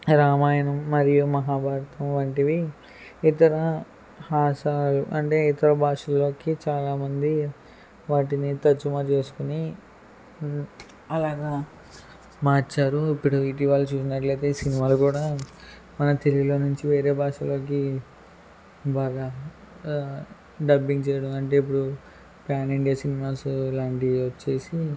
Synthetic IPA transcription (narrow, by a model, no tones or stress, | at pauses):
ɾaːmaːjɐnɐmːɐɾijumɐɦaːbʱaːɾɐt̪ɐmʋɐɳʈiʋi | it̪ɐɾɐ | haːʃaːluʔɐɳʈe̞ːit̪ɐɾɐbʱaːʂɐlo̞ːkit͡ʃaːlaːmɐnd̪i | ʋaːʈinit̪ɐt͡ʃːumaːt͡ʃe̞ːsu̥kuni | ɐlaːɡaː | maːɾt͡ʃaːɾuipːuɽuiʈ̬iːʋaːlut͡ʃuːsinɐʈlɐjt̪e̞ːsinimaːlukuːɽaː | mɐnɐt̪eliɡilo̞ːnuɲt͡ʃiʋe̞ːɾe̞ːbʱaːʂɐlo̞ːki | baːɡa | ɖɐbːiŋɡt͡ʃɛːjɐɽɐmɐɳʈe̞ːip̬ːuɽu | paːniɳɖijɐsinimaːsuilaːɳʈiʋɐt͡ʃːe̞ːsi